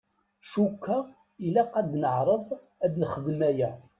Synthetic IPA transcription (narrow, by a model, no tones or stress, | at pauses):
ʃukːə | ilæqæd̪nəʕɾˤəðˤ | æd̪nχəðmæjæ